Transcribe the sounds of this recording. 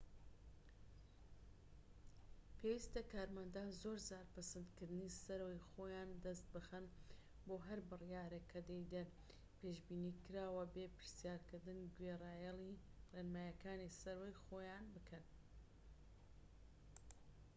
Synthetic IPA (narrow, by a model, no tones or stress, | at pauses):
pʰeːwiːst̪ɐkaːɾmɐnd̪aːnzoɾzaːɾpɨsɐnd̪kɨɾd̪nisɐɾwejxojaːnd̪ɐst̪̚bɨxɐn | boːɦɐɾbɨrjaːɾekʰɐd̪ejd̪ɐn | peːʃbiːniːkɨɾaːwɐbeːpɨɾsjaːɾkɨɾd̪ɨnɡweraːjɛlˠireːnmaːjɐkaːnisɐɾwejxoːjaːnbɨkʰɐn